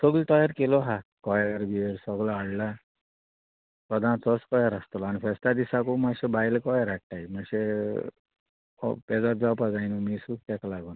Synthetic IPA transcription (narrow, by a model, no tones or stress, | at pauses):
sɔɡlt̪ɔjaɾkelɔɦakɔjaɾbieɾsɔɡlaːɽla | sɔd̪ʱãt͡sɔskɔjaɾast̪ɔlanifʰɛst̪ad̪isakumaɕebajlkɔjɾaʈ̚ʈajimaɕe | ɔ̰pɛd͡zat̪̚d͡zapad͡zajnumisuk̚t̪ɛklaɡun